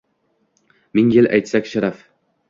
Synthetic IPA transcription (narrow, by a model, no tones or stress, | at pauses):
mɪŋjɪlʔa̰jt̪sakʲʃaɾaf